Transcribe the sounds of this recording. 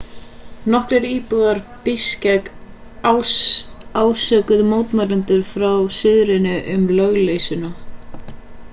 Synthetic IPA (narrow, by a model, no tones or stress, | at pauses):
nɔhkɾɛɾiːpʏɣðaɾpɪscɛk | aːwsœkʏðmoːwt̪maɾɪnt̪ʏɾ̥fɾawsɪðɾɪnʏʔʏmlœɣleːjsʏna